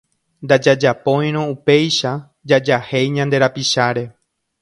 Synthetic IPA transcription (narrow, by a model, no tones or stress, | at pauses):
nd̪ad͡ʒad͡ʒapõ̞j̃ɾ̃õupe̞jʃa | d͡ʒad͡ʒahe̞jɲãnd̪e̞ɾapiʃaɾe̞